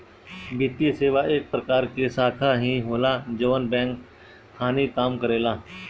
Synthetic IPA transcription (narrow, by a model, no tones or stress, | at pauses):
bit̪ijseːʋaeːk̚pɾəkaːɾkesaːkʰaɦĩɦoːlad͡ʒəʋənbɛ̃ːŋkːʰ | aːnikaːmkəɾeːlaː